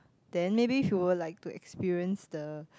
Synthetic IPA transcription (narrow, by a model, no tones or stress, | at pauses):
d̥ɛ̃nmebiːfjuwədlaɪk̚tuɛ̰kspiɹiə̃nsdə